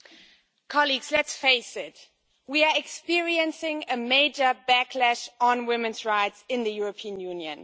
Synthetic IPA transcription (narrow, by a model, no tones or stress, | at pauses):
kʰɑliɡz̥lɨtsfeɪsɪt̚ | wiəɛkspɪɹiɨ̃nsɪ̃ŋɨmeɪd͡ʒə˞bækʰlæʃn̩wɪ̃mɨ̃nzɹaɪtsɪ̃nðɨjʊɹəpʰiə̃njʉ̃njɨ̰̃n